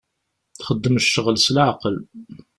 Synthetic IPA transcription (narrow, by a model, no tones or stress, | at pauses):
θχəd̪ːəmʃəʁlslʕaqəl